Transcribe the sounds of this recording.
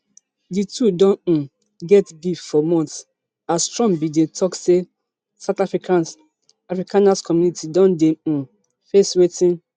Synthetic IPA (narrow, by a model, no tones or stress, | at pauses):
ditʰudɔ̃ñ̩ | ɡɛtɡiffɔmɔ̃nts | astɹɔ̃ŋbidetʰɔkse | saʊtafɹikãns | afɹikãnaskʰɔmjunitʰidɔ̃ndẽ | feswetĩn